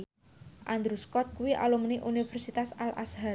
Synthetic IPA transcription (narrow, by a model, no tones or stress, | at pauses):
ʔand̪ɾuskɔt̪̚kuwiʔa̰lumniʔunifɛrsit̪asala̰sɦa